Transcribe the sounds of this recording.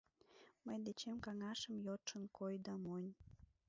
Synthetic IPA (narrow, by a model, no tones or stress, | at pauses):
məjd̪et͡ɕemkɑŋɑʃəmjot̪ʃənkojd̪ɑmonʲ